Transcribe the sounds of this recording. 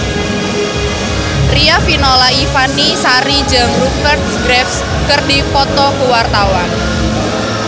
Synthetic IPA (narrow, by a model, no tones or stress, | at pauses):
riafinɔlaifanisaɾid͡ʒaŋrukərt̪̚sɡɾɛfs | kərdifɔt̪ɔkuwart̪awan